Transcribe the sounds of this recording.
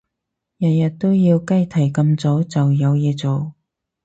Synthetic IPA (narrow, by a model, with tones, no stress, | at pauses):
jɐ˨t̚jɐ˨t̚t̪o˥wjiː˧wkɐ˥jt̪ʰɐ˨˩jkɐ˧mt͡so˨˥wt͡sɐ˨wjɐ˨˧wjɛː˨˧t͡so˨˩w